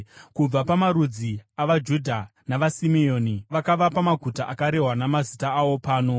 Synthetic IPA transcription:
kub͡vapamaɾud͡ziaʋad͡ʒudʱanaʋasimio̞ːniʋakaʋapamaɡʱutaʔakaɾe̞ɦwanamazitaːwo̞paːno̞

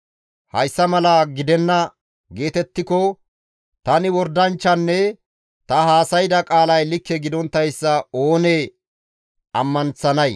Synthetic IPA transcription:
hɐ̰jsːɐmɐlɐɡɪd̪ɛnːɐ | ɡe̞ːt̪ɛt̪ːɪkɔ | t̪ɐnɪwɔɾd̪ɐnt͡ʃːɐnːɛ | t̪ɐɦaːsɐjɪd̪ɐkʼaːlɐjlɪkːɛɡɪd̪ɔnt̪ːɐjsːɐo̞ːne | ɐmːɐnt͡sɐnɐj

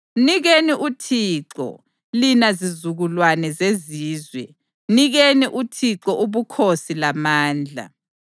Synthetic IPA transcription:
niɣeniʔutʰiːǁɔ̰ | linazizuɣulwanɛzeziːzwɛ | niɣeniʔutʰiǁɔʔuβukʰosilamaːnd͡ɮʱa̰

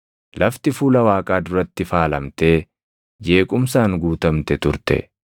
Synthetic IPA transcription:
lɐft̪ɪfuːlɐwaːkʼaːd̪ʊɾɐt̪ːɪfaːlɐmt̪e̞ː | d͡ʒe̞ːkʼʊmsaːŋɡuːt̪ɐmt̪ɛt̪ʊɾt̪ɛ̰

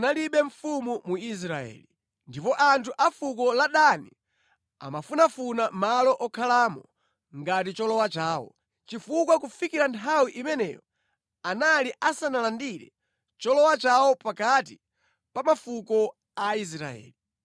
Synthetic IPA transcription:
naliɓɛɱfumumuis̬ɾaɛ̰ːli | ndipɔʔantʰuʔafukɔlaɗani | a̰mafunafunamalɔʔɔkʰalaːmɔ | ŋɡatit͡ʃɔlɔwat͡ʃaːwɔ̰ | t͡ʃifukwakufikiɾantʰawiʔimɛnɛ̰jɔ | analiʔasanalandiɾɛ̰ | t͡ʃɔlɔwat͡ʃawɔpakati | pamafukɔ | ais̬ɾa̰ɛ̰ːli

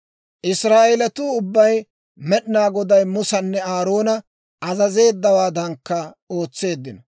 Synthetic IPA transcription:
ʔɪsɾaːʔelɛt̪uːʊbːɐj | mɛɗnaːɡɔd̪ɐjmʊsɐnːɛaːɾo̞ːnɐ | ʔɐzɐze̞ːd̪ːɐwaːd̪ɐŋkːɐ | o̞ːt͡sːe̞ːd̪ːɪnɐ

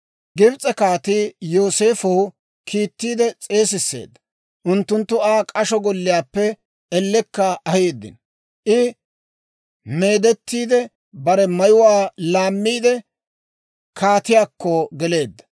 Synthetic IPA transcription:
ɡɪbt͡sʼɛkaːt̪iːjo̞ːse̞ːfɐw | kʰiːt̪ːiːd̪ɛt͡sʼe̞ːsɪsːe̞̰ːd̪ːɐ̥ | ʔʊnt̪ːʊnt̪ːʊaːkʼɐʃɔɡɔlːɪjaːpːɛ | ɛlːɛkːɐʔɐheːd̪ːɪ̰n | ʔɪ | me̞ːd̪ɛt̪ːiːd̪ɛ | bɐɾɛmɐjʊwaːlaːmːiːd̪ɛ | kʰaːt̪ɪjaːkːɔɡɛle̞ːd̪ːɐ̥

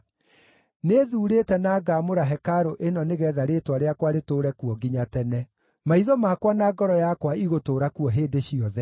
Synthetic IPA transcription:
neðuːɾeːtɛnaːɡamoɾaɦɛkaɾoʔenɔneɣɛðaɾetwaɾeakwaɾetoːɾɛkuɔɡiɲatɛnɛ | maiðɔmakwanaːɡɔɾɔjakwaiɣotoːɾakuɔɦeːdeɕiɔðɛ

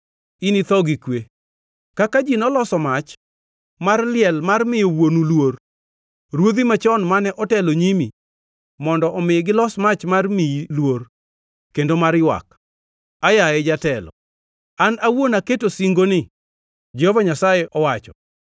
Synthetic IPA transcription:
init̪ɔɡikwe | kakad͡ʒinɔlɔsɔmat͡ʃ | marlɪɛlmarmɪjowonulwor | ɾwod̪imat͡ʃɔnmanɛʔɔtɛloɲimi | mɔndɔʔɔmɪɡɪlɔsmat͡ʃmarmiilwor | kendomaɾjwa̰k | ajaɛd͡ʒatɛlɔ̰ | anawonaketosiŋɡonɪ | d͡ʒɛhɔvaɲasajɛʔɔwat͡ʃɔ

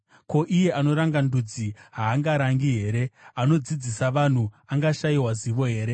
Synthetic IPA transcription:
ko̞ʔije̞ano̞ɾaŋɡandud͡ziɦaːŋɡaɾaŋɡiɦe̞ːɾe̞ano̞d͡zid͡zisaʋan̤u | aŋɡaʃaiwaziʋo̞ɦe̞ːɾe̞

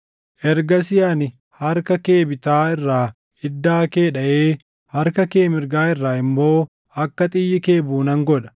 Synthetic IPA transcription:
ʔɛɾɡɐsɪjanɪ | hɐɾkɐke̞ːbɪt̪aːɪrːaː | ɪd̪ːaːkeːᶑɐʔeː | hɐɾkɐkeːmɪɾɡaːɪrːaːɪmːo̞ː | ɐkːɐt̪ʼɪjːɪke̞ːbuːnɐŋɡɔᶑɐ̥

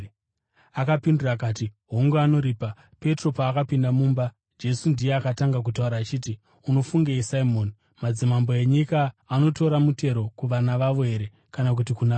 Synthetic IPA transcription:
akapindurakaːtiɦo̞ŋɡuano̞ɾiːpa | pe̞tro̞paːkapindamuːmba | d͡ʒe̞sundijeakataŋɡak̬utauɾaːt͡ʃiːti | uno̞fuŋɡeisaimo̞ːni | mad͡zimambo̞eɲikaːno̞to̞ɾamute̞ɾo̞kuʋanaʋaʋo̞ɦe̞ɾe̞ | kanak̬utikuna

